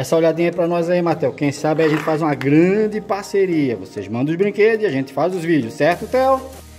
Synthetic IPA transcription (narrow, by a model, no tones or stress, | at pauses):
ɛsɐoʎad̪ĩɲɐɛpɾɐnɔjzaimat̪ɛwkẽj̃sabɪajiɐʒẽnt̪ɪfazũmɐɡɾɐ̃d͡ʒɪpaɾseɾiɐvo̰seʒmɐ̃nd̪ɐ̃ʊzbɾĩked̪ʊzɪiaʒẽnt̪ɪ̥fazʊzvid͡ʒʊsːɛɾt̪ʊt̪ɛw